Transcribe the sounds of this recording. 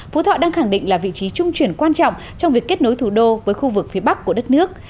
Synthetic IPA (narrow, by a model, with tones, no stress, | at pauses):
fu˨˦t̪ʰɔ̰˧˨ɗaː˧ŋxa˧˩ŋɗḭ˧˨ŋ̟laː˨˩vḭ˧˨t͡ɕi˨˦t͡ɕʊ˧ŋ͡mt͡ɕwi˨˩ənkwaː˧nt͡ɕɔ̰˧˨wŋ͡m | t͡ɕɔ˧wŋ͡mvi˨˩əkːe˦˥t̚no˨˦jt̪ʰu˧˩ɗo˧vəː˨˦jxu˧vɨ˨˩k̚fi˨˦əɓa˦˥kːu˧˩əɗə˦˥t̚nɨ˦˥ək̚